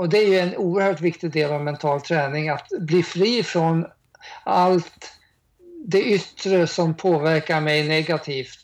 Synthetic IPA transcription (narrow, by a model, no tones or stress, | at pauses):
ɔd̪ɛæɾjɵɛnuːəɾhœːʈvɪkt̪ɪɡd̪eːlavmɛnt̪ʰɑːlt̪ʰɾɛːnɪŋat̪bliːfɾiːfɾɔn | alt̪ | d̪ɛʔʏt̪ːɾəsɔmpʰoːvæɾkaɾmɛjnɛɡat̪ʰiːft̪